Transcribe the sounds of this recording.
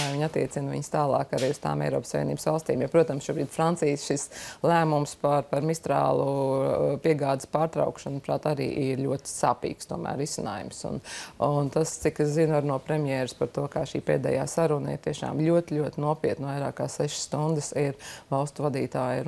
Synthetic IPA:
ajviɲat̪ːiɛt̪sinvḭɲst̪aːlˠɑːkaɾiːust̪a̰ːmɛ̰ɪɾɔːpsaʋʲiḛniːb̥sʋalˠst̪iːmjapɾuɔt̪ɐmsʃuɔbɾiːd̪fɾant̪siːsʃislˠæːmumspaɾpaɾmist̪ɾa̰ːlˠupiɛɡaːd̪spaːɾt̪ɾa̰ʊkʃanpɾa̰ːt̪aɾḭːʔiɾluɔt̪i̥saːpḭːkst̪uɔmæ̰ːɾːisɪna̰ːjṵmsṵnunt̪ast̪sikeszinaɾnuɔpɾɛmjɛːɾspaɾt̪uɔkaːʃiːpḛːd̪ɛ̰ːja̰ːsaɾunaḭɾt̪iɛʃa̰ːmlʲuɔt̪lʲuɔt̪ɪnuɔpiɛt̪nvajɾaːkaːsɛʃsst̪und̪ɪsiɾvalˠst̪uvad̪iːt̪aːj

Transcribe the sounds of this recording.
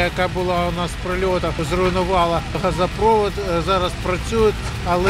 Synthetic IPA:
jɐkabʊlˠɑʊnɑspɾɔlʲɔt̪ɐzrʊinʊʋɑlˠɐɦɐzɐpɾɔʋɔd̪zɑɾɐspɾɐt͡sʲujʊtʲ | ɐlˠɛ

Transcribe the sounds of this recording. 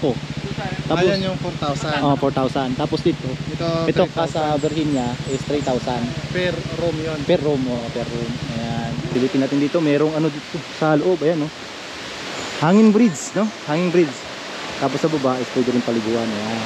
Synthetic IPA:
ʔot̪aːpoanjoŋfoɾt̪awsaʔofoɹt̪awsant̪aːposd̪it̪oɛt̪oɛt̪ok̚ːasɐbɛɾhɪnɲaʔɛst̪ɾit̪awsanpɛɾɾomjonpɛɾːomʔoːʔopɛɾomʔɐjanpɪlɪpɪnaːt̪ɪnd̪iːt̪omɛːɾoŋɐnod̪it̪osɐloʔobʔɐjanːo | haːŋɪŋbɾɪd̪sno̞haːŋɪŋbɾid̪s | t̪aːposɐbɐbaʔɪspwɛːd̪ɪɾɪnpɐlɪɡuːʔɐnjan

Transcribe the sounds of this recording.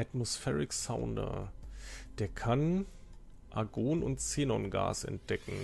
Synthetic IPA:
ʔatmosfɛːʁɪksaʊndɐ̰ | d̥eːɐkʰan | ʔaɡoːnʊntt͡seːnɔnɡa̰ːsɛ̰nt̚d̥ɛkŋ̩

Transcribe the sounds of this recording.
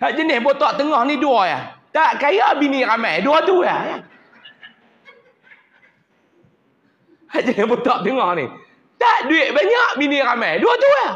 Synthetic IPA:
haʔ̚d͡ʒənɛbot̪ɔʔt̪əŋɔniduəjat̪aʔkajɔʔbinikamɛduɔt̪ujaa | had͡ʒənɛbot̪ɔʔt̪əŋɔni | t̪aʔdwiʔbaɲɔʔbinikamɛduɔt̪uja

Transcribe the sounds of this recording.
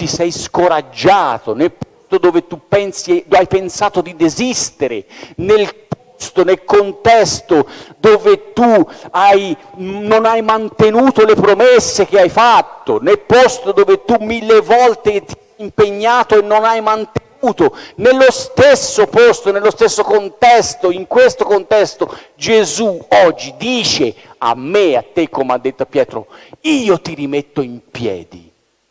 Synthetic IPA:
t̪isɛjskoɾad͡ʒːaːt̪onelpɔst̪od̪oːvet̪upɛnsid̪ajpensaːt̪od̪id̪ezist̪eɾḛnelpɔst̪onelkont̪ɛst̪od̪oːvet̪uajnonajmant̪enuːt̪olepɾomesːek̟eajfat̪ːonelpɔst̪od̪oːvet̪umːilːevɔlt̪et̪iaimpeɲːaːt̪oenːonajmant̪enuːt̪onelːost̪esːopɔst̪onelːost̪esːokont̪ɛst̪oiŋkwest̪okont̪ɛst̪o | d͡ʒezuɔd͡ʒːid̪iːt͡ʃe | a̰mːeat̪ːekːomead̪ːet̪ːoapjɛːt̪ɾo̰iːot̪irimet̪ːoimpjɛ̰ːd̪ḭ

